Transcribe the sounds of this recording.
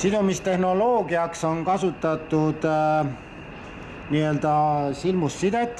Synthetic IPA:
sid̪umist̪e̞hno̞lo̞ːɡiɑkso̞nkɑsut̪ːˑɑt̪ːˑud̪̥ | niːø̞ld̪̥ɑsilmusːid̪et̪ʲːˑ

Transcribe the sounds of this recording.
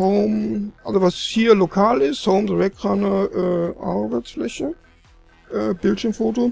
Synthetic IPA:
hoʊmʔalzovashiːɐlokʰaːlɪsthoʊmdəʁɛkʁanəʔɛːʔa̰ɐbaɪt͡sflɛçə | ʔɛːbɪltʃiɐmfoːto

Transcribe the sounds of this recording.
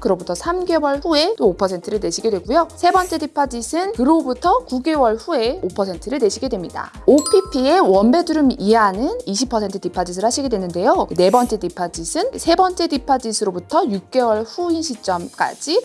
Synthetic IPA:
kɯɾʌbutʰʌsʰamɡe̞wʌɭɸue̞t͈oːpʰʌsʰe̞ntʰɯɾɯɭne̞ɕʰiɡe̞dwe̞ɡujosʰe̞bʌnt͡ɕ͈e̞dipʰad͡ʑisʰɯnkɯɾobutʰʌkuɡe̞wʌɭɸue̞opʰʌsʰe̞ntʰɯɾɯɭne̞ɕʰiɡe̞dwe̞mɲida̰ | opʰipʰie̞wʌnbe̞duɾɯmiɦanɯniɕʰipʰːʌsʰe̞ntʰɯdipʰad͡ʑis̬ʰɯɭhaɕʰiɡe̞dwe̞nɯnde̞jone̞bʌnt͡ɕ͈e̞dipʰad͡ʑisʰɯnsʰe̞bʌnt͡ɕ͈e̞dipʰad͡ʑisʰɯɾobutʰʌjuk̚k͈e̞wʌɭɸuinɕʰit͡ɕ͈ʌmk͈a̰d͡ʑi

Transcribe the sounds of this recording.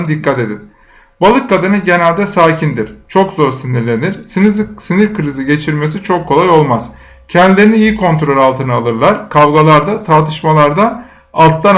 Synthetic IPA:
d̪ikʰːat̪e̞d̪in | balˠɯkːad̪ɯnɯɟe̞nælʲd̪ɛsaːcʰind̪iɾ̥t͡ʃʰo̞kzo̞ɾsiniɾlʲe̞niɾssiniɾkɯɾiziɟe̞t͡ʃʰiɾme̞s̬it͡ʃʰokʰːo̞lˠajo̞lˠmaz̥ | cʰɛnd̪ilʲe̞ɾiniijikʰo̞nt̪ɾo̞lʲalˠt̪ʰɯnɯalˠɯɾlˠaɾkʰavɡalˠaɾd̪at̪ʰaɾt̪ʰɯʃmalˠaɾd̪a | alˠt̪lˠan

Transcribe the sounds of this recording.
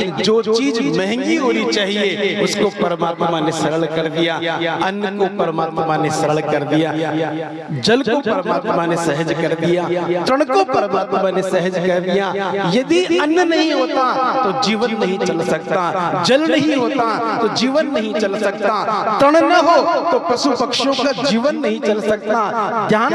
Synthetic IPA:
ɪnd͡ʒoːt͡ʃiːd͡ʒmɛ̃ɦɛ̃ŋɡiɦoːnit͡ʃaːɦieʊskopɐɾəmaːt̪manesɐɾəɭkɐɾd̪ijaɐnːjəokɐɾəmaːt̪mãnesɐɾəɭkɐɾd̪ijaː | d͡ʒɐlkopɐɾmaːt̪manesɛɦəd͡ʒkɐɾd̪ijat̪ɾəɽ̃kopɐɾəmaːt̪mãnesɛɦəd͡ʒɐɾd̪ijajɐd̪iɐnjənɐɦĩɦoːt̪at̪od͡ʒiːʋənːɐɦĩt͡ʃɐlsɐkt̪ad͡ʒɐlnɐɦĩɦoːt̪at̪od͡ʒiːʋənːɐɦĩt͡ʃɐlsɐk̚t̪at̪ɾəɽ̃nɐɦot̪opɐʃupɐkʃjõkad͡ʒiːʋənːɐɦĩt͡ʃɐlsɐk̚t̪ad̪jaː

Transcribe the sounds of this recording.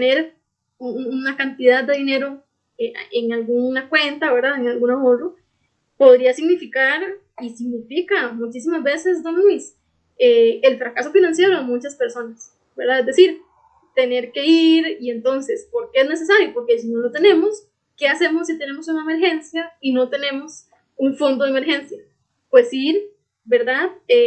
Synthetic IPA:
neɾ | uunakant̪iðaðd̪e̞ðine̞ɾo̞ | eeŋalɡunakwe̞nt̪aβe̞ɾðaðeŋalɡunaoro | po̞ð̞ɾiasiɡnifikaɾ | isiɡnifikamut͡ʃis̬imazbe̞se̞sd̪onis | eelfɾakaso̞finãnsje̞ɾoðemut͡ʃaspe̞ɾso̞nas | beɾðaezd̪e̞siɾ | t̪e̞ne̞ɾke̞iɾie̞nt̪o̞nse̞spo̞ɾkeezne̞s̬es̬aɾjopo̞ɾkesinolot̪e̞nẽ̞mos | ke̞ase̞mosːit̪e̞ne̞mosunaemeɾxe̞nsjaino̞t̪e̞nẽ̞mos | uɱfond̪oðeme̞ɾxe̞nsja | pwe̞siɾ | be̞ɾd̪aðe

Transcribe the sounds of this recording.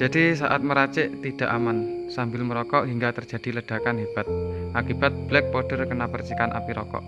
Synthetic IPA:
d͡ʒ̥adisaʔat̪̚məɾat͡ʃɪʔt̪id̥a̤ʔamansambɪlməɾɔkɔʔɦiŋɡat̪ər̥d͡ʒ̥a̤d̥i̤ləɖ̥a̤kanɦeb̥a̤t̪̚ʔakib̥at̪̚b̥lɛk̚pɔɖ̥ərkənapərt͡ʃikanʔa̰piɾɔ̰kɔ̰ʔ

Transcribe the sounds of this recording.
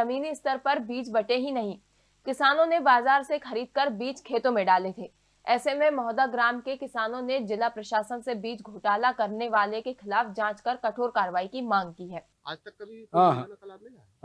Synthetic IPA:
ɐmiːniɪst̪əɾpɐɾbiːt͡ʃbɐʈeɦinɐɦĩ | kɪsaːnõnebaːzaːɾsexɐɾiːd̪̚kɐɾbiːt͡ʃkʰeːt̪õmẽɖaːlet̪ʰeː | ɛːsemẽmɔːd̪aɡɾaːmkekɪsaːnõned͡ʒɪlapɾɐʃaːsənsebiːt͡ʃɡʱoːʈaːlakɐɾneʋaːlekexɪlaːfd͡ʒãːt͡ʃkɐɾkɐʈʰoːɾkaːɾəʋaːikimãːŋɡ̚kiɦɛːt̪ɦãː

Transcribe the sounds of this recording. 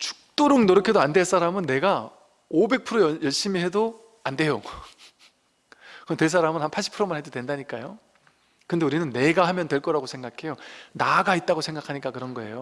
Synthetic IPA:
t͡ɕu̥k̚t͈oɾɯŋnoɾɯkʰedoande̞ɭs͈aɾamɯnːe̞ɡa | obe̞k̚pʰɯɾojjʌɭɕ͈imiɦe̞do | ande̞jo | kɯntwe̞ɭs̬͈aɾamɯnhanpʰaɭɕ͈ʰi̥pʰɯɾomanɦed͡ʑodwe̞ndaɲik͈ajo | kɯnde̞uɾinɯnːe̞ɡahamjʌntwe̞ɭk͈ʌɾaɡosʰe̞ŋɡakʰe̞jonaɡait̚t͈aɡosʰe̞ŋɡakʰaɲik͈akɯɾʌnɡʌe̞̰jo

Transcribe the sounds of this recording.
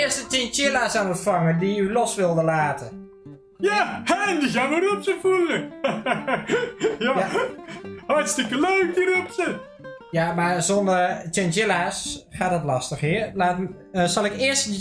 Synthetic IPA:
ɪəstətɪnt͡ʃɪlasaːnətfaŋədiylɔsʋɪlˠdəlaːtə | jandiɣaməɾɔpsəfulə | ja | hɑrtstɪkəløːk̚dirɔpsə | jamazondərtɪnt͡ʃɪlasχaːt̚dɔtlɑstəxiərlaːt | əsɑlˠɪkɪəst

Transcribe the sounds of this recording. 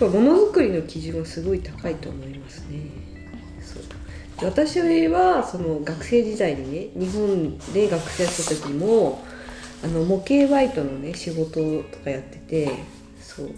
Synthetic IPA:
amo̞no̞zɯkɯ̟ɾʲino̞kʲiʑɨ̃ɰ̃asɨɡo̞it̪akait̪o̞ːmo̞imasɨ̥ne̞ | so̞̰ː | d̪̥eβ̞at̪aɕiojeβaso̞no̞ɡakɯ̟̥se̞ːʑid̪aid̪ene̞ɲ̟iɦõ̞nd̪e̞ɡakɯ̟̥seːɕt̪at̪o̞kʲiimo̞ | ano̞mo̞ke̞ːβait̪o̞no̞ne̞ɕiɡo̞t̪o̞t̪o̞̥kajat̪ːe̞t̪e̞ | so̞̰ː

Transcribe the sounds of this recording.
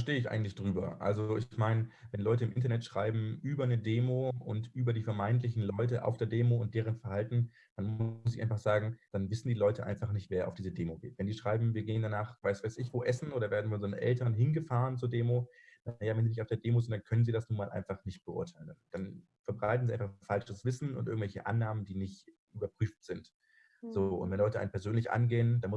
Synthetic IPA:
ɐʃteːəɪçʔa̰ɪɡŋ̩tlɪçd̥ʁyːbɐ̰ʔa̰lzooɪçmaɪnəvɛnlɔʏtəɪmʔɪntɐnɛtʃʁ̥aɪbm̩ʔyːbɐnədeːmoːʔʊntʔyːbɐɾiːfɛɐmaɪntlɪçn̩lɔʏtəʔa̰ʊfd̥eːɐdeːmoʊnt̚d̥eːʁ̞ənfɛɐhaltn̩ | d̥anmʊs̬ɪçʔa̰ɪnfaχz̥aːɡŋ̩d̥anvɪsn̩diːlɔʏtəʔa̰ɪnfaχnɪçtv̥eːɐʔaʊfdiːzədeːmoɡḛːtv̥ɛndiːʃʁ̥aɪbm̩viːɐɡeːəndanaːχvaɪsv̥aɪsɪçv̥oːʔɛsn̩ʔoːdɾɐveːɐdn̩fɔnzonnʔɛ̰ltɐnɦɪnɡəfaːʁənt͡suːɐdeːmodjaːvɛnziːnɪçtaʊd̥eːɐdeːmoːzɪnt̚d̥ankʰœnənziːdasnuːɐmaːlʔa̰ɪnfaχnɪçt̚b̥əʔʊ̰ɐtʰaɪlənd̥an | fɛɐbʁaɪtn̩ziaɪnfaχfalt͡ʃəsv̥ɪsn̩ʊ̰ntʔɪ̰ɐŋ̩tvɛlçə̰ʔa̰nːaːməndiːnɪçt | ʔyːbɐpʁ̥yːftz̥ɪnt | z̥oːʊ̰ntvɛnlɔʏtəaɪnəmpʰɛɐzøːnlɪçʔa̰nɡeːəndanmʊ

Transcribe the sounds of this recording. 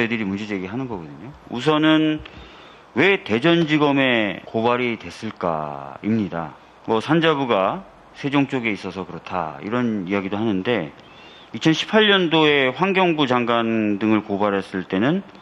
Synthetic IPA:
edɯɾimund͡ʑed͡ʑeɡiɦanɯnɡʌɡʌdɯɲous̬ʰʌnɯn | we̞te̞d͡ʑʌnd͡ʑiɡʌme̞kobaɾitwe̞s͈ɯɭk͈a̰ḭmɲida̰ | mʌsʰand͡ʑabuɡa | sʰe̞d͡ʑoŋt͡ɕ͈oɡe̞is͈ʌsʰʌkɯɾʌtʰa̰ḭɾʌnijaɡidoɦanɯnde̞ | it͡ɕʰʌnɕʰi̥pʰaʎːʌndoe̞ɸwaŋɡjʌŋbud͡ʑaŋɡandɯŋɯɭkobaɾɦes͈ɯɭt͈e̞nɯn

